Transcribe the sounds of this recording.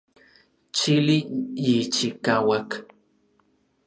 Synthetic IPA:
t͡ʃilijit͡ʃikawak

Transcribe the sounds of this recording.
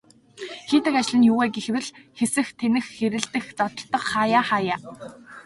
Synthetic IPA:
xiːt̪ɘ̆kat͡ɕɪ̆ɮɘ̆njʊɣæːɡexwɘ̆ɮxesɘ̆xt̪ʰenɘ̆xːeɾɘ̆ɮt̪ɘ̆xt͡sɔt̪ɞ̆ɬt̪ːɞ̆qχaːjaːχaːjaː

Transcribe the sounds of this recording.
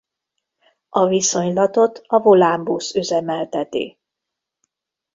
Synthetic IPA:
ʔɒviso̞ɲlɒt̪o̞t̪ɒvo̞laːmbusøzɛmɛlt̪ɛt̪ḭː

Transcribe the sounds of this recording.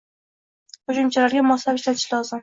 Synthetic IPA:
χʊd͡ʒʊmt͡ʃʰalaɾɡʲamɒslapɪʃlat̪ʰɪ̥ʃlɒzɪm

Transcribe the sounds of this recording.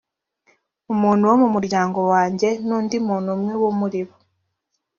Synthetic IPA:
omuːn̤uwomumuɾjaːŋɡo̞waːɲɟe̞nuːndimuːnumwewomuɾiβo

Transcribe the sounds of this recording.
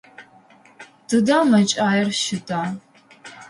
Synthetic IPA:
d̥ɨdaːmɐt͡ʃʼaːjɛrʃɪtʼaː

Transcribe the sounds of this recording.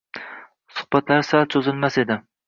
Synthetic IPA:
sʊ̥hbat̪ʰlaɾsalt͡ʃ̪ʰɵzɪlmase̞d̪ɪ

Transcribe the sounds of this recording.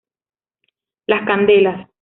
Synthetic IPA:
laskand̪elas

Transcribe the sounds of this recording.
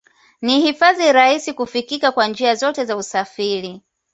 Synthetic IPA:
nihifaðiɾahisikufikikakwand͡ʒiazɔtɛzausafiɾi

